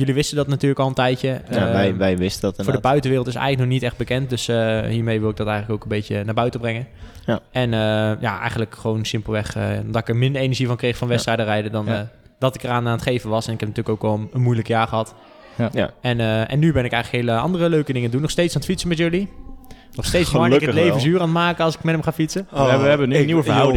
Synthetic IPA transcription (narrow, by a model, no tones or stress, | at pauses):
jɵliʋɪstədɑtnatyːɹləkɑlˠəntɛjtəaɛjʋɛjʋɪstətfʊːdəbœɥtənʋɪːrəlˠtɪsɛ̰jələknɔχnitɛχd̚bəkɛnt̚døsəɦiːɹmejʋɪlˠɪɡ̚dɔtɛjχənləkowkənbejcənaːɹbœɥtəbrɛŋə | ʔɛnəja̰ʔɛ̰jχəndləkχəʋownsɪmpəl̩ˠʋɛxɔdɔtɪkəɹmɪndəɹenəɹʒivɑnkrejχfɑnʋɛtstrɛjdərɛjdədɔn | d̥ɔtɪkəraːnaːnətχejvəʋɑsɛnɪkɛpntyːləkoləkʋɛlˠənmujləkjaːɹχəɦɑt | ɛnəɛ̰nːybɛnɪkɛjələkhejləɑ̰ndərəløɥkədɪŋəndunːɔχsteːtsantfitsəmɛtjɵli | nɔχsteːt͡ssɔkətlejvəsyːraːntmaːkəɑlˠsɪ̥kmɛtəmχaːfitsəəniəf